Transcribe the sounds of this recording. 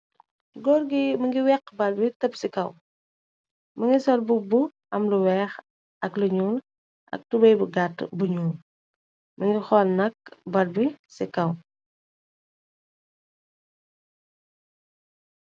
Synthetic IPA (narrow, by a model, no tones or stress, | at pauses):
ɡɔːrɡimɐŋɡiwɛkːbɐlbitəpsikɐw | mɐŋɡisɔlbubuʔɐmluwɛːx | ʔɐkluɲuːl | ʔɐ̰k̚tubɐjbuɡatːbuɲuːl | mɐŋɡixɔlnɐk̚bɐlbisikɐw